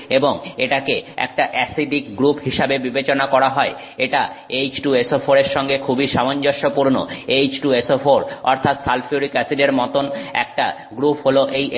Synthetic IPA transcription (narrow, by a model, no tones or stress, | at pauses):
eboŋeʈakeɛ̰k̚ʈaʔɛsid̪ik̚ɡɾupɦiʃabebibet͡ɕonakɔɾaɦɔe | eʈaejd͡ʑʈuesofʰoɾeɾʃɔŋɡekʰubiʃamond͡ʑoʃopuɾno̰ejd͡ʑʈuesofoɾɔ̰ɾt̪ʰat̪salfʰiuɾikɛsiɖeɾmɔt̪onɛ̰k̚ʈa | ɡɾupɦoloʔejʔ